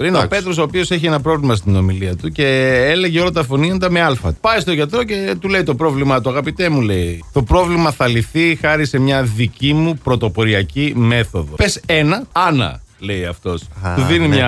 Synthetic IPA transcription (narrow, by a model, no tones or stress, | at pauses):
inepe̞t̪ɾo̞so̞ːpio̞seçienɐpɾo̞vlimɐs̬t̪ino̞miliɐt̪uce̞ele̞ʝeo̞lɐt̪ɐfo̞niɐnd̪ɐme̞ɐlfɐ̰t̪pɐjst̪o̞ʝɐt̪ɾo̞ce̞t̪ule̞jt̪o̞pɾo̞vlimɐt̪̬uɐɣɐpit̪e̞mule̞jt̪o̞pɾo̞vlimɐθɐliθixɐɾise̞mɲɐðicimupɾo̞t̪o̞po̞ɾiɐcime̞θo̞ðo̞pese̞nɐɐnɐ̰le̞iɐ̰ft̪o̞suðinimɲɐ